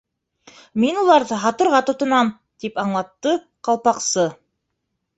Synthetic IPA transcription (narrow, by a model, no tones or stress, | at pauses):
minulˠɑɾðɤɦɑt̪ŏɾʁɑt̪ŏt̪ŏnɑm | t̪ipɑɴlˠɑt̪ːɤ | qɑlˠpɑqsɤ